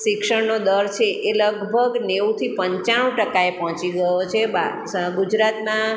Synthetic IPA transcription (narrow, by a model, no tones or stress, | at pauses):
ʃɪkʃəɽnod̪əɾt͡ʃʰeʔeləɡbʱəɡneut̪ʰipəɲt͡ʃaɽ̃ũʈəkaepɔɦɔ̃t͡ʃiɡəjot͡ʃʰeba | ɡud͡ʒɾat̪na